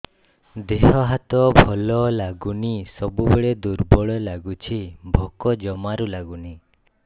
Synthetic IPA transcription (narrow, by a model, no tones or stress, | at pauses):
d̪eɦɔɦat̪ɔbʱɔlɔlaɡunisɔbubeɭed̪uɾbɔɭɔlaɡut͡ʃʰibʱɔkɔd͡ʒɔmaɾulaɡuni